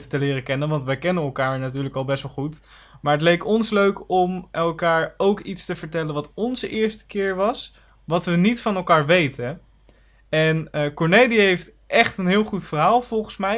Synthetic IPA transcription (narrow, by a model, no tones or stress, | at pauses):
tətəlɪːrəkɛnənʋɑntʋɛjkɛnənɛlˠkaːɹnatyːɹləkɑlˠbɛsʋɛlˠχut | maːɹɦətlejkɔnsløɥkɔmʔɛlˠkaːɹowkitstəv̥əɹtɛlənʋɑtɔnzəʔɪːɹstə̥kɪːɹʋɑs | ʋɑtʋənitfɑnɛlˠkaːɹʋejtə | ɛnəkɔɹnejliɦejft | ʔɛχtənɦɪːlˠχutfəɹɦaːlˠv̥ɔlˠχənsmɛj